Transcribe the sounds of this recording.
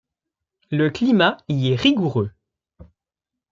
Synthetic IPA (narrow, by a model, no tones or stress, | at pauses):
ləklimaiɛʁiɡuʁø